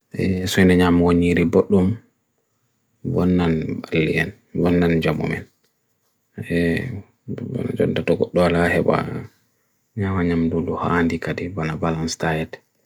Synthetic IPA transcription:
ʔɛsɔnɛɲamawoɲiɾibɔɗːum | wɔnːanbalːiɛn | wɔnːand͡ʒamṵmɛ̰n | ɛ | wa̰na̰d͡ʒɔntatɔɡɔɗːɔwalahɛba̰ | ɲamaɲamduduha̰ndikadɛbanabalanstajɛtɛ̥

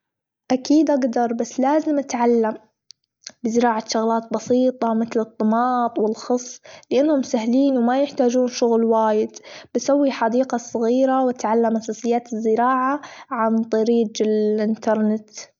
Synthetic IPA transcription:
ʔakiːd̪ʔaɡd̪ɑɾˤbasːlaːzɪmʔat̪ʕalːam | bɪzɪɾɑːʕaʃʊɣlaːt̪̚bɑsiːt̪ˤɑmɪt̪lɨt̪ˤːɨmɑːt̪ˤwɪlxɑsˤːlɪʔanːhʊmsahliːnwmajɪħt̪aːd͡ʒuːnʃʊɣlwaːjɪd̪bɪsawːiħad̪iːqɑsˤːɑɣiːɾawat̪ʕalːamʔasaːsɪjːaːt̪ɪzːɪɾɑːʕaʕant̪ˤɑɾiːd͡ʒɪlʔɪnt̪ɑɾˤnɪt̪

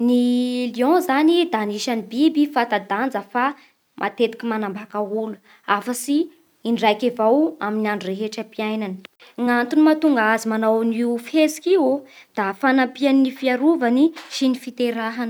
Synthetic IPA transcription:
niliɔ̃zanid̪aniʃanibibifat̪ad̪and͡zəfa | mʔa̰t̪et̪i̥kimanambakaulu | afəsiː | ɳɖ͡ʐajkevawaminiaɳɖ͡ʐureɦeʈ͡ʂəpiajnanə̥ | ŋant̪unimat̪uŋɡazimanawniufezi̥kiwod̪̥afanampianinifiaɾuvaniʃinifit̪eɾaɦanə̥

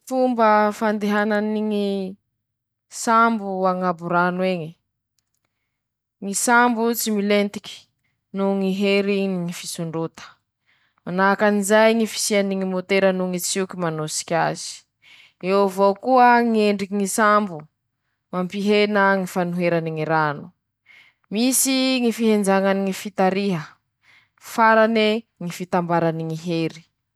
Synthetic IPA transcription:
fumbəfand̪eɦananiŋi | sambuaŋabuɾanweɲi | ŋisambut͡similent̪i̥kʲi̥ | nuŋiɦeɾiniŋifisuɳɖ͡ʐut̪ə̥ | manakanizajŋifi̥sianiŋimot̪eɾənuŋit͡sikimanosi̥kʲa̰z̥i̥ | ewvokuəŋieɳɖ͡ʐikiŋisambu | mampiɦenəŋifanuɦeɾaniŋiɾanu̥ | misiŋifiɦend͡zaŋaniŋifit̪aɾiɦə | faɾaneŋifit̪ambaɾaniŋiɦeɾi̥

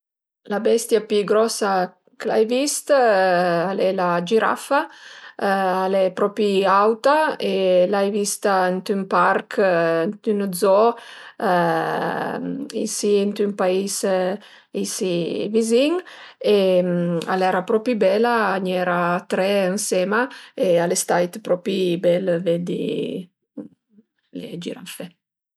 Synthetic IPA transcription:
labɛst̪japyɡɾɔsa | kəla̰jvist̪ | alɛlad͡ʒiɾa̰fa | alɛpɾɔpiawt̪aelajvist̪aənt̪ympaɾknt̪ynd̪zɔ | isiɛnt̪ympais | isiviziŋema̰lɛɾapɾɔpibɛlaːɲɛɾat̪ɾɛənsɛmaealest̪ajt̪pɾɔpibɛlvɛd̪ḭ | lḛd͡ʒḭɾa̰ɱfɛ

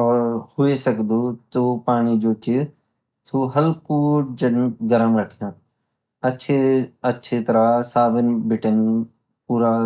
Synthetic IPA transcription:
ɔːɾhʊesɐkd̪oːt̪oːpaːɳ̃id͡ʒoːt͡ʃɪ | suːɦɐlkuːd͡ʒənɡɐɾəmɾəʈʰijãː | ɐʃʰeɐtːʃʰet̪ɐɾasaːbənbʱɪʈən | puːɾa

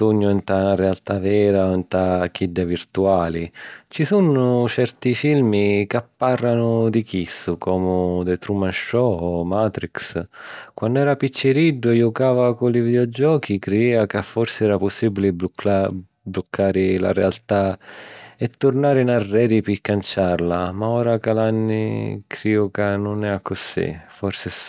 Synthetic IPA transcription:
uɲːʊɛnt̪anaɾealt̪avɛːɾaɔnt̪ak̟id̪ːavirt̪uaːlit͡ʃisunːʊt͡ʃɛrt̪ifilmikapːarːanʊd̪ikisːʊkʰɔːmʊd̪ɛt̪ɾumanʃɔɔmaːt̪ɾikskwanːʊɛːɾapit͡ʃːɪɾiɖːʊɛjɔkaːvakʊlivid̪eɔd͡ʒɔːkikɾeiːvakafːɔrsɪɛːɾapʊsːiːbilɪb | blʊkʰːaːɾɪla̰ɾɛalt̪a | ɛt̪ːʊrnaːɾɪnarːɛːɾipɪkːant͡ʃarlamaɔːɾakalanːḭkʰɾiɔkanʊnɛakːʊsḭfɔrsɪ

